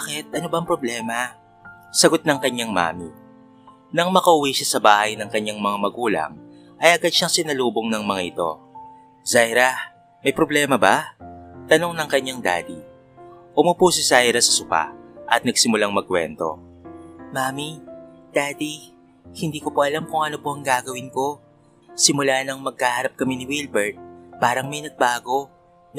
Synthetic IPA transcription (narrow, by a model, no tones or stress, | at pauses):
akɛt̪̚ʔɐnobɐŋpɾoblɛːmɐ | sɐɡo̞t̪̚nɐŋkɐɲaŋma̰ːmi | nɐŋmɐkɐʔʊwɛʃasɐbaːhɐjnɐŋkɐɲːaŋmɐŋamɐɡuːlɐ̰ŋ | ʔɐjɐɡad̪̚ʃaŋsɪnɐluːbo̞ŋnɐŋmɐŋaʔɪt̪o̞̰ | zajɾɐ | mɐjpɾoblɛːmɐbat̪ɐno̞ŋnɐŋkɐɲːaŋd̪a̰ːd̪i | ʔʊmʊpusɪzajɾɐsɐ̥sʊpa̰ʔɐt̪̚nɐɡ̚sɪmʊlaŋmɐɡ̚kwɛ̰nt̪o̞̰ | maːmid̪̥aːd̪i | hɪnd̪iːkopoʔɐlamkʊŋʔɐnopo̞ʔɐŋɡaːɡɐwɪnko̞ | sɪmʊlanɐŋmɐɡ̚kaːhaːɾɐp̚kɐmɪnɪwilbɛɹt̪̚paːɾɐŋmɐjnɐɡ̚baːɡo̞ | n